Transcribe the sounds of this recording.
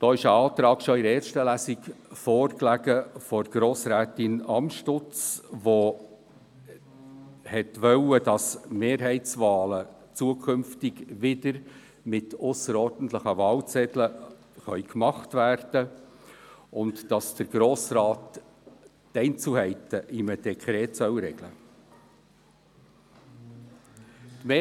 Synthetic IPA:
d̥ɔːɪʃəɑːt̪ɾɑːkʃɔɪɾɛːɾʃtəlæsɪkfoːrklæɡəfɔɾɡ̥ɾoːsɾæːtɪnɑmʃtʊt͡sʋo | hɛtʋœwədɑsmeːɾɦɛɪt͡sʋɑːlə | t͡suəkʰʏmftɪɡʋɪdəɾ | mɪtʊsəɾɔːɾd̥n̩t̪ləχəvɑːlt͡sɛdlə | χœʏkmɑχtvæːrd̥ə | ʊntd̥ɑsd̥əɾɡ̥ɾoːsɾɑːtː | ɛɪnt͡suhɛɪtəʔɪməd̥ɛkʰχɾɛːtsœwɾɛɡ̥lə̰ | tme

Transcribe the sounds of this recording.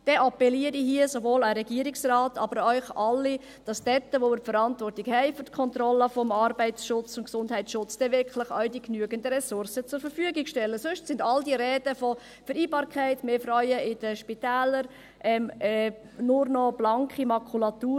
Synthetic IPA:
d̥ɛʔɑpɛliːəɾiɦiəsovoːləɾɛɡiəɾɪksrɑːtʰɑbəɾœʏχɑlːi | d̥ɑsd̥ɛtːəʋomɪɾfəɾɑntvɔrtiɡhɛɪfʏɾtkʰɔnt̪ɾɔlːəfɔmɑrbɛɪtsʃʊt͡sʊntksʊnd̥hɦɛɪtsʃʊt͡sd̥ɛvɪɾkχlɪχœɥdiknyəɡəndəɾɛsʊrsət͡sʊɾfəɾfyəɡɪkʃtɛlːəsøʃtsɪndɑldiəɾɛːdəfɔ | fəɾiːbɑːɾkʰɛɪtmeːfɾɔʏəʔɪd̥əʃpitæːləɾ | ʔɛm | nʊrnɔb̥lɑŋkχimɑkʰulɑtuː

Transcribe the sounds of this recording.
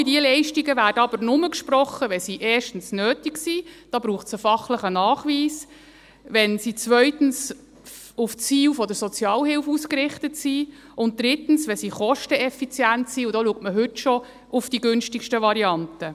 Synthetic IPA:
idiəlɛɪʃtiɡəvæːdəɑb̥əɾnʊməkʃprɔχəʋɛsiʔɛːrʃtn̩snøːtiksid̥ɑːb̥ɾuːχtsəfɑχləχənɑːχʋiːs | ʋɛnsit͡sʋœʏtn̩s | uft͡siːwfɔd̪əɾsɔt͡sjɑːlhɪwfuːskɾɪχtətsi | ʊnt̚d̥̪ɾɪtn̩sʋɛsiːχɔʃtəɛfit͡sjæntsiːʊdɑːluək̚tməɦɵtʃɔ | ʊfd̥iɡɵnʃtikʃtəʋɑɾiɑntə

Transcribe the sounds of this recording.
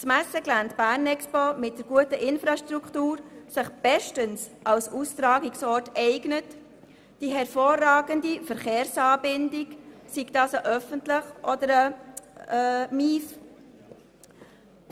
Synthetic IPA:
smæsəɡlæntb̥æːɾnɛkspɔmɪt̚d̥əɾɡ̥uətəʔɪnfɾɑʃtɾuktuːɾsɪχb̥ɛʃtənsʔɑlsust̪ɾɑːɡiksɔːɾtɛɪɡnət | d̥iɦɛɾfoːrːɑːɡəndifəɾχeːɾsɑːbɪndɪksiɡd̥ɑːsəʔœfəntlɪχʔɔdəɾə | miːf

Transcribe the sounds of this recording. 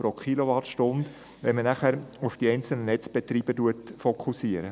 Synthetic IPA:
pɾokχiloʋɑtʃtʊnd̪ | ʋɛmənæχæɾufd̥iɛɪnt͡sl̩nənɛt͡sb̥et̪ɾiːb̥ətuətfɔkʰusiəɾə

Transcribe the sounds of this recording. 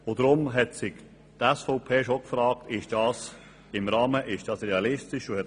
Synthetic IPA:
od̪ɾʊmɦɛtsɪk | tɛsfɔʊpʰeːʃokfɾɑːktɪʃd̥ɑːs | ɪmɾɑːməʔɪʃd̥ɑsɾeɑlɪstɪʃʊhɛt

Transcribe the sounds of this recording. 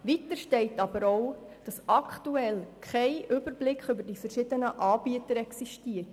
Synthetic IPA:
ʋitəɾʃtɛɪtɑbəɾowd̥ɑsɑkʰtuɛlkχɛɪʔʏbəɾblɪkχʏbəɾdifəɾʃɪdənəʔɑːbiətəɾɛksiʃtiət

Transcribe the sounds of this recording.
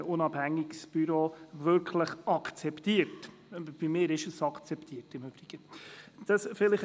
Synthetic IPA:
ʊnɑb̥hæŋːiksb̥yɾoːvʏɾkʰləχɑkʰt͡sɛptiəɾt | b̥imɪːɾɪʃəsɑkʰt͡sɛptʰiːərtɪmʏb̥ɾiɡ̥əd̥ɑsfɪlɪχ

